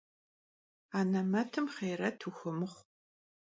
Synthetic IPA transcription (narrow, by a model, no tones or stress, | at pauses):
aːnɐmɐtʰɨmχeːɾɐtʰuxɐmɨχʷ